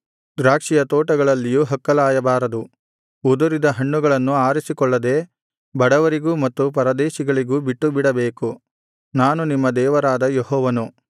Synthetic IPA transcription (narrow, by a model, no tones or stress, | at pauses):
d̪ɾaːkʂijɐt̪ɔːʈɐɡɐɭɐlːijuɦɐkːɐlaːjɐbaːɾɐd̪u | ud̪uɾid̪ɐɦɐɳːuɡɐɭɐnːuaːɾisikɔɭːɐd̪e̞ː | bɐɽɐʋɐɾiɡuːmɐt̪ːupɐɾɐd̪eːʃiɡɐɭiɡuːbiʈːubiɽɐbeːku | naːnunimːɐd̪ɛːʋɐɾaːd̪ɐjeɦɔːʋɐnu